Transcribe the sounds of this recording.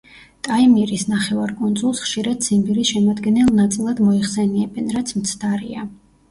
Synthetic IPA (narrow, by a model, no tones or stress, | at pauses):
t̪ʼaimiɾisnaχɛvaɾkʼund̪zʼulˠsχʃiɾad̪simbiɾiʃɛmad̪ɡɛnɛlˠnat̪sʼilˠad̪mɔiχsɛniɛbɛnɾat̪sʰmt̪sʰd̪aɾia